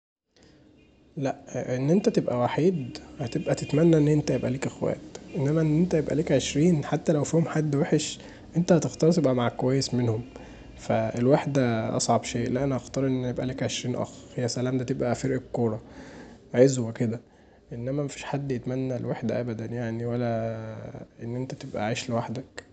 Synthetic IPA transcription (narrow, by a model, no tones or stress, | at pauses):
læʔʔenːʔent̪æt̪ebʔæwaħiːd̪hæt̪ebʔæt̪et̪mænːæʔenːʔent̪æjebʔæ̰liːkʔexwæ̰ːt̪ʔenːæmæʔenːʔent̪æjebʔæ̰liːkʕeʃɾiːnħat̪ːælæwfiːhomħad̪ːweħeʃ | ʔent̪æhæt̪ext̪ɑɾˤt̪ebʔæmaʕkowæjːesmenhom | fæelwaħd̪æʔɑ̰sˤʕɑbʃeːʔlæʔænæʔɑxt̪ɑɾˤʔenːjebʔæleːkʕeʃɾiːnʔæ̰xhejːæsælæːmd̪æːt̪ebʔæfeɾʔekkːoːɾˤɑ | ʕezweked̪æ | ʔenːæmæmæfi̥ːʃħad̪ːjet̪mænːælewaħd̪æʔæbæd̪ænjaʕniwælːæ | ʔenːʔent̪æt̪ebʔæ̰ʕiːʃlewaħd̪æk